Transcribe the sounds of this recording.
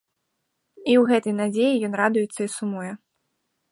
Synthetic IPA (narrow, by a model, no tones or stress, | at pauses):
iwɣɛt̪ɐjnad͡zʲejijɔnrad̪ujɛt̪sːɐisumɔjɛ